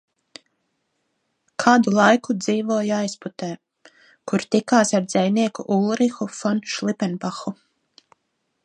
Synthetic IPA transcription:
kʰaːd̪ulˠajkud̪ziːvuɔjajsput̪ɛː | kuɾt̪ikaːsaɾd̪zɛjniɛkṵʔulˠɾixufɔnʃlˠipɛnbaxu

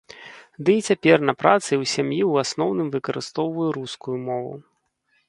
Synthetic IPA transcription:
d̪ɨit͡sʲapʲɛrnɐpɾat̪sɨwsʲamjiwasnɔwnɨmvɨkɐɾɨst̪ɔwvɐjuɾuskujumɔvṵ

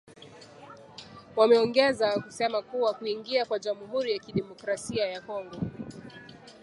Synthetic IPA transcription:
wamɛɔŋɡɛzakusɛmakuwakuiŋɡiakwaʄamuhuɾijakiɗɛmɔkɾasiajakɔŋɡɔ

